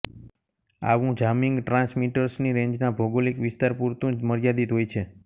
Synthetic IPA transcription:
a̰ʋũd͡ʒamiŋɡʈɾãsmiʈəɾsniɾẽɲd͡ʒnabʱoɡolikʋɪst̪aɾpuɾt̪ũməɾjad̪it̪ɦojt͡ʃʰe

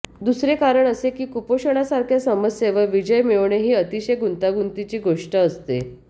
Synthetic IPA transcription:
d̪usɾekaɾəɳəsekiːkupoɕəɳ̃asaɾkʰjasəməsjeʋəʋid͡ʑəjmeʋɳeɦiːət̪iɕejɡunt̪aɡunt̪it͡ɕiːɡoʂʈəːst̪ḛ

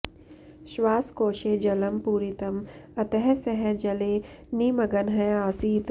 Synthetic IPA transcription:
ʃʋaːskoːʃeːd͡ʒɐləmpuːɾɪt̪ɐmɐt̪ɛɦɛsɛɦɛd͡ʒɐleː | niːmɐɡənɦɛaːsiɪt̪

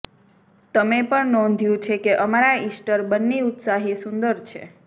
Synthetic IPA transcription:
t̪əmepəɳnɔ̃nd̪ʱjũt͡ʃʰekeʔəmaɾaisʈəɾbənːeut̪saɦisund̪əɾt͡ʃʰḛ

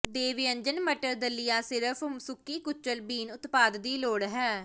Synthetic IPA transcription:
d̪eːʋijə̃ɲd͡ʒənməʈəɾd̪əlːijaːsɪɾəpʰʊmsʊkːiːkʊt͡ʃːəlbiːnʊt̪paːd̪d̪iːloːɽɦɛː

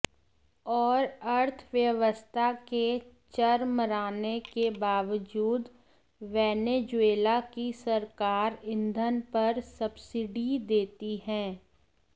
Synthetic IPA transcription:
ɔːɾəɾt̪ʰʋjəʋəst̪ʰake | t͡ʃəɾməɾaːnekebaːʋəd͡ʒuːd̪ | ʋɛːneːd͡ʒʊeːlakisɐɾkaːɾɪ̃nd̪ʱənpɐɾsɐbsɪɖid̪eːt̪iɦɛ̃ː

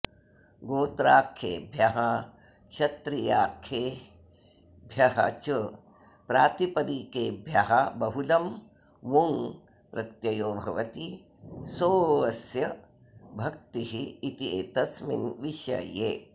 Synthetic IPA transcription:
ɡoːt̪ɾaːkʰːḛːbʱjɐɦɐ | ʃɐt̪ɾijaːkʰːeː | bʱjɐɦɐ̰t͡ʃə | pɾaːt̪ipɐd̪ikeːbʱjɐɦɐbɐɦulɐm | ʋuŋ | ɾɐt̪jɐjoːbʱɐʋɐt̪i | soːʋɐsjɐ | bʱɐk̚t̪iɦiːt̪ieːt̪ɐsmḭnʋiʃɐ̰jeː

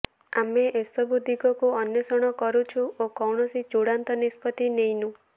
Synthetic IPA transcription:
ameʔesɔbʱud̪ʱikɔkuɔnjɔsɔɽ̃ɔkɔɾut͡ʃʰuokɔwɳ̃ɔsit͡ʃuɽant̪ɔnispɔt̪inejnũ

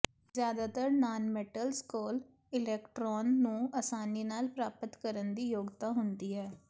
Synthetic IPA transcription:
zjaːd̪aːt̪əɾnaːnmɛːʈəlskoːl | ɪlɛːkʈɾɔːnːũːasaːniːnaːlpɾaːpət̪kəɾənd̪iːjoːɡt̪aːɦʊnd̪iːɦɛː

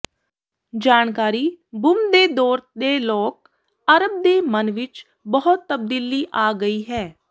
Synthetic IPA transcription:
d͡ʒaːnkaːɾiːbʊmd̪eːd̪ɔːɾt̪d̪eːlɔːk | əɾəb̚d̪eːmənʋɪt͡ʃ | bəɦʊt̪ːəb̚d̪iːliːʔaːɡəiːɦɛː

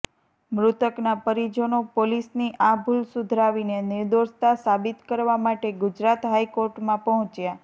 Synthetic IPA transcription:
mɾʊt̪əknapəɾid͡ʒonopolisniʔabʱulsʊd̪ʱɾaʋinenɪɾd̪oʃt̪asabit̪kəɾʋamaʈeɡʊd͡ʒɾat̪ɦajkoɾʈmãpəɦɔ̃t͡ʃja

